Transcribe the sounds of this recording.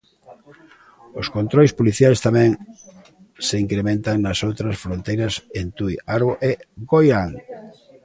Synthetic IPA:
ʊskont̪ɾojspoliθjajst̪amɛ̃ŋ | seiŋkɾemẽnt̪aŋnɐsowt̪ɾɐsfɾõnt̪ejɾɐsent̪ujaɾβoʔeɡojaŋ

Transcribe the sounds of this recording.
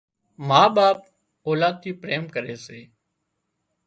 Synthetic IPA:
maːɓaːp̚ | oːlaːd̪̚t̪ʰiːpɾeːmkəɾeːseː

